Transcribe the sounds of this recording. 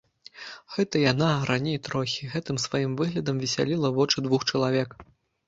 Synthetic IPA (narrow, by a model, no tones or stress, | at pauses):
ɣɛt̪ɐjanaɾanʲejt̪ɾɔxʲiɣɛt̪ɨmsvajimvɨɣlʲɐd̪ɐmvʲisʲa̰lʲilˠɐvɔt͡ʂɨd̪vuxt͡ʂɐlˠavʲɛk